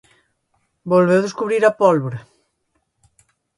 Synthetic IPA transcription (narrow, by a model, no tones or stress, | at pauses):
bolβewðeskuβɾiɾɐpɔlβɾe